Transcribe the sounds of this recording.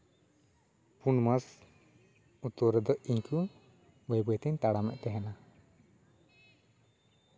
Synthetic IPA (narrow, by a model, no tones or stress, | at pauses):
punmas | ut̪ɔɾɛd̪ɔiɲku | bəjbɔɛt̪ɛɲt̪aɽamɛ̰ʔt̪ɛɦɛna